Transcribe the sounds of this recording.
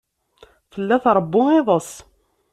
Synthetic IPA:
fəlːæθɾˤəbːʊɪðˤəsˤ

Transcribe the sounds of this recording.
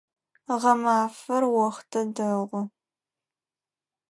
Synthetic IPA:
ʁɐmaːfɐrwɔχtʰɐdɐʁʷʊ

